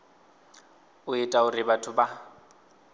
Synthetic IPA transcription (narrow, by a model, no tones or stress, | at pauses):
ʊɪtʼaʊrɪbatʰʊba